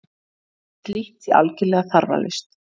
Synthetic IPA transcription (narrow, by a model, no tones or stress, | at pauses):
t̪liht̪ia̰lcɪlɛːɣaθaɾva̰lɪ̰st̪